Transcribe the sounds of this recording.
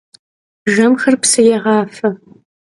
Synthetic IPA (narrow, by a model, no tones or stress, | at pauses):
ʒɐmxɐrpsɨjɛʁɑːfɐ